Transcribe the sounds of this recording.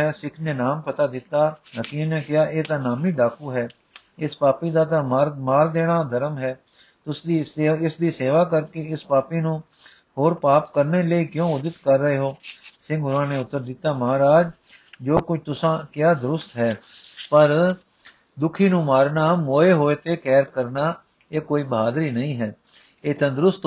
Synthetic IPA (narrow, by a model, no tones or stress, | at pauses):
ɛːsɪkʰnenaːmpət̪aːd̪ɪt̪ːaːnəkĩːneːkɪjaːʔeːt̪ãːnaːmiːɖaːkuːɦɛː | ɪspaːpiːd̪aːt̪ãːɾmaːɾd̪eːɽ̃aːd̪ʱəɾəmɦɛː | t̪ʊsd̪iːseːɪsd̪iːseːʋaːkəɾkeɪspaːpiːnũː | hoːɾpaːpkəɾneːləiːkjõːʊd̪ɪt̪kəɾːəeːɦoːsɪ̃ŋɡʊɾãːneːʊt̪ːəɾd̪ɪt̪ːaːməɦaːɾaːd͡ʒ | d͡ʒoːkʊt͡ʃʰt̪ʊsãːkɪjaːd̪ʊɾʊst̪ɦɛːpəɾ | d̪ʊkʰiːnũːmaːɾnaːmoːeːɦoːeːt̪eːkɛːɾkəɾnaː | eːkoːiːbəɦaːd̪ɾiːnəĩːɦɛː | eːt̪ãːd̪ɾʊst̪